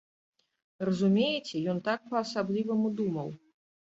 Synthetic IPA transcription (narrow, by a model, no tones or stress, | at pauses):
rɐzumʲejɛt͡sʲɛjɔnt̪ak̚pɐːsablʲivɐmud̪umɐw